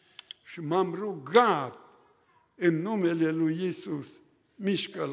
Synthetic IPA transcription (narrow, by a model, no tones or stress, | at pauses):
ʃimamɾuɣat̪̚ | ennumelelujisus | miʃkal